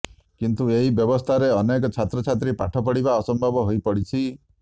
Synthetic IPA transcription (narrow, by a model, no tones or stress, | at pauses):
kint̪ueɦibjɔbɔst̪ʰaɾeɔnekɔt͡ʃʰat̪ɾɔt͡ʃʰat̪ɾipaʈʰɔpɔɽibaɔsɔmbʱɔbɔɦojpɔɽit͡ʃʰi